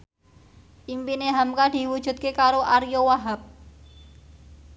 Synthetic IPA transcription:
ʔimpineɦamkad̥i̤wud̥ʒ̥ṳt̪̚kekaɾoʔaɾijowaɦap̚

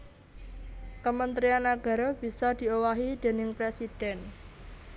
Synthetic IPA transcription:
kəmənt̪ɾianːaɡ̥a̤ɾɔb̥i̤sad̪̥i̤owaɦid̪̥e̤nɪŋpɾesid̪̥ɛn

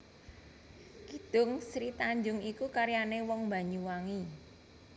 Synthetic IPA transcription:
kid̪̥ʊŋsɾit̪aɲd͡ʒʊŋikukaɾjanewɔŋmba̤ɲuwaŋi

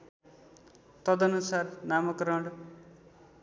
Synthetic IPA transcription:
t̪ʌd̪ʌnusarnamʌkɾʌɳɖ

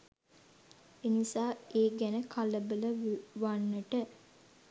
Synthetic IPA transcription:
enisaːeːɡænəkʰaləbələʋʋanːəʈə

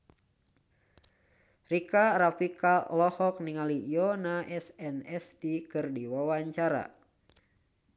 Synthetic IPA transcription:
rikaɾapikalɔhɔk̚niŋalijɔnaʔɛsɛnɛsdikɨrdiwawaɲt͡ʃaɾa̰

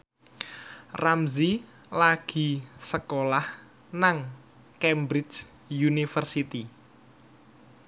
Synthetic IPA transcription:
ramzi | laɡ̥i̤səkolah | naŋ | kɛmbɾɪt͡ʃ | junifərsit̪i

